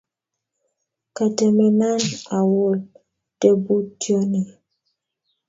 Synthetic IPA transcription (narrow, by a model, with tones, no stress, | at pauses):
ka˨te˨mɛ˨na˦na˨wo˨l | d̥e˦bu˦tjɔ˦ni˨